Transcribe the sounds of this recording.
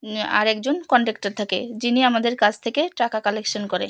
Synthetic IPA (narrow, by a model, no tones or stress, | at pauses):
a̰ɾɛkd͡ʑonkɔɳʈek̚ʈaɾt̪ʰakḛd͡ʑiniamad̪eɾkad͡ʑʰt̪ʰekeʈakakɔlekʃonkoɾe